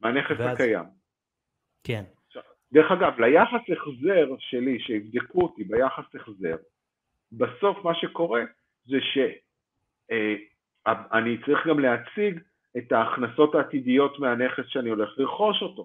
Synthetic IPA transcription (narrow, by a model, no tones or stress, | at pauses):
meaneχesakaja̰m | k | ʃav | deʁeχaɡavlajaχaseχze̞ʁʃe̞liʃeivd̪ekuotibejaχaseχze̞ʁ | baso̞fmaʃe̞ko̞ʁe̞ | zeʃe̞ | aanit͡saʁiχɡamleat͡siɡ | e̞taːχnaso̞taːt̪idijo̞tmeane̞χe̞sʃeanio̞le̞χliʁχo̞ʃo̞to̞